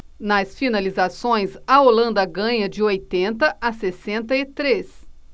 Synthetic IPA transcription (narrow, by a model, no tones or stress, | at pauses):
nɐsfinalizasõj̃sɐolɐ̃nd̪ɐɡɐ̃ɲɐd͡ʒɪojt̪ẽnt̪ɐʔasesẽnt̪ɐɪt̪ɾes